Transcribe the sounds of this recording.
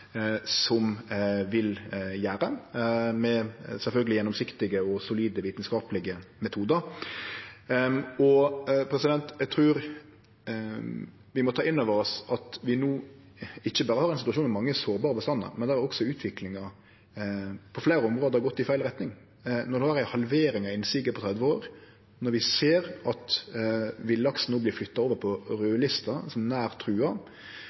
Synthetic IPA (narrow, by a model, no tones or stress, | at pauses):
sɔmʋɪljæːɾəmɛsɛlfœlɡəlɪjɛnːɔmsɪkt̪ɪɡəɔsʊliːd̪əʋiːt̪nskɑːpəlɪɡəmɛt̪ʰuːd̪əɾ | ɔpʰɾɛsɪd̪ɛnt̪ɛɡ̚t̪ʰɾʉːɾ | ʋɪmɔt̪ʰɑːʔɪnːøʋəɾɔsɑt̪ʋɪnuː | ɪçːəbɑːɾəhɑɾɛnsɪt̪ʉɑʃuːnmɛmɑŋːəsoːɾbɑːɾəbəst̪ɑnːə̰ɾmɛnd̪ɛæɾæɾɔksɔʉːt̪ʰʋɪklɪŋɑ | pʰɔflæːɾəɔmʁoːd̪əhɑɾɡɔt̪ːɪfæɪlɾɛt̪nɪŋ | nɔɾd̪ɛhɑɾæɪhɑlʋeːɾɪŋɑɪnsɪɡəpʰɔt̪ʰɾɛd̪ʋəoːɾ | nɔɾʋɪseːɾɑt̪ | ʋɪlːɑksn̩uːblɪːflʏt̪ːɑoːʋəɾpʰɔɾøːlɪst̪əsɔmnæːɾt̪ʰɾʉːɑ